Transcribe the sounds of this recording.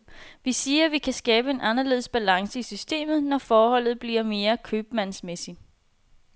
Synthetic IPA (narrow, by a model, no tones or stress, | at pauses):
ʋisiːɐʋikʰæsɡ̥ɛːb̥əe̝nʔɑ̈nɐle̝̰ðˠsb̥ælɑ̈ŋsəisysd̥e̝̰ːmð̞̩ˠnɒfɒːhɒ̽l̰ð̞̩ˠb̥liɐ̰me̝ːɐkʰøːb̥mænsmesi